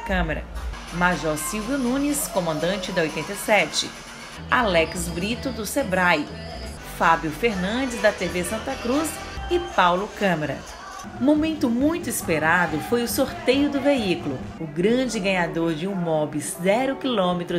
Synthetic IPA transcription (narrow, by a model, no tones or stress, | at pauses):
kɐ̃meɾɐ̰ | maʒɔsiwvjʊnũnɪskõmɐ̃nd̪ɐ̃t͡ʃɪd̪ɐojt̪ẽnt̪ɐjsɛt͡ʃɪ̰ | alɛksbɾit̪ʊd̪ʊsebɾaj | fabjʊfeɾnɐ̃d͡ʒɪzd̪ɐt̪evesɐ̃nt̪ɐkɾus | ɪpawlʊkɐ̃meɾɐ̃ | mõmẽnt̪ʊmũj̃t̪ʊispeɾad̪ʊfojʊsoɾt̪ejʊd̪ʊveiklʊ | ʊɡɾɐ̃d͡ʒɪɡɐ̃ɲad̪oɾd͡ʒɪũmɔbizzɛɾʊkilõmet̪ɾʊ